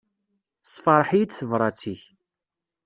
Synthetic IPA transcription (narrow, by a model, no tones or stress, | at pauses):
sˤfɑɾˤħijit͡sθəvɾˤɑt͡sːiç